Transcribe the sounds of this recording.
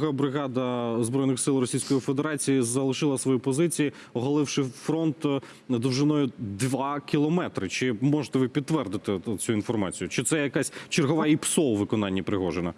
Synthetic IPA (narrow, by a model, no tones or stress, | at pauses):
ɦɐbɾɪɣɑd̪ɐzbɾɔjnɪxsɪlˠrɔsʲijsʲkɔjifed̪e̞ɾɑt͡sʲijizɐlˠɪʃɪlˠɐsʋɔjipɔzɪt͡sʲiji | ɔɦɐlˠɪwʃɪfɾɔnt̪ | d̪ɔwʒɪnɔjʊd̪ʋɑkʲilˠɔmɛt̪ɾɪt͡ʃɪmɔʒet̪ɛʋɪpʲid̪̚ːʋɛrd̪ɪt̪ɪt͡sʲuinfɔrmɑt͡sʲijʊt͡ʃɪt̪sɛjɐkɑsʲt͡ʃɪrɦɔʋɑipsɔwʋɪkɔnɑnʲːipɾɪɦɔʒenɐ